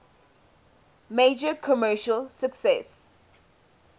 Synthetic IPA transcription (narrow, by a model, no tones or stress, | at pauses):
med͡ʒəkʰɔmɜːʃəlsəksɛs